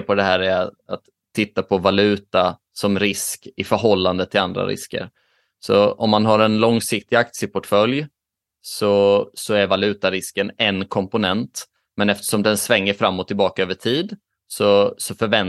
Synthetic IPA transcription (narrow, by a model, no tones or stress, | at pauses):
pʰɔd̪ɛɦæːɾɛɾaat̪ʰːɪt̪ːapʰɔvalʉ̟ːt̪a | sɔmɾɪskɪfœɾɦɔlːand̪ət̪ʰɪland̪ɾa̰ɾɪ̰skə̰ɾ | sɔ̰ɔmːanɦaɾɛnlɔŋsɪk̚t̪ɪɡak̚t̪sɪəpʰɔʈfœlj | sɔsɔæɾvalʉ̟ːt̪aɾɪskənɛnkʰɔmpʊnɛnt̪ | mɛnɛft̪ə̥ʂɔmd̪ɛnsvɛŋːəɾfɾamːɔt̪ʰːɪlbɑːkaøːvəʈʰiːd̪ | sɔsɔfœɾvɛn